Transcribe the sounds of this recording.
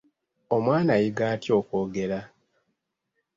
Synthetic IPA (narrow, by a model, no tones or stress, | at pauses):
o̞mwaːnajiɡaːtjo̞ːko̞ːɡe̞ɾa